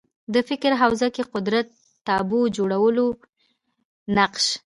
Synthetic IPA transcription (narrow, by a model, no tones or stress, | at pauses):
d̪əfɪkɾɦawzakeqʊd̪ɾat̪ː | ɑbod͡ʒoɽawəlo | naqʃ